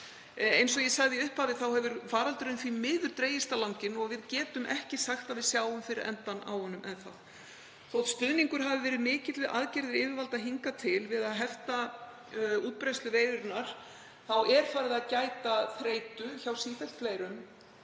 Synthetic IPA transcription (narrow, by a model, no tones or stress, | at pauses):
ejnsɔjɛsaɣðɪʏhpaðɪθawhɛvʏɾfaːɾalt̪ʏɾɪnθvimɪːðʏɾ̥t̪ɾeːjɪst̪alawŋcɪnɔɣvɪðcɛːt̪ʏmʔɛhcɪsaxt̪avɪðsjaːwʏmfɪɾɪɾɛ̰nt̪ana̰whɔnːʏmʔɛnθa̰ð | θowt̪st̪ʏðniŋkʏɾ̥ɦavɪvɛːɾɪðmɪːcɪt̪vɪðʔa̰ːðcɛɾðɪɾɪːvɪɾvalt̪aɦiŋkat̪ʰɪlvɪðaðɦɛft̪a | uːt̪̚pɾejst̪lʏveːjðʏɾnaɾ̥ | θawɛɾ̥faːɾɪðaðcaːjt̪aθɾeːjt̪ʏçawsiːθɛlt̪flejɾʏm